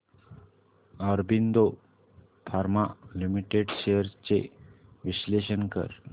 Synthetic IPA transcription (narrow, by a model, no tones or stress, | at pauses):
əɾbind̪o | fʰaɾmalimiʈeɖɕejəɾt͡sḛʋiɕleɕənkə̰ɾ